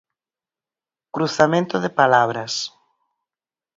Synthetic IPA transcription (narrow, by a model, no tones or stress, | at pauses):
kɾuθamẽnt̪oðepalaβ̞ɾɐs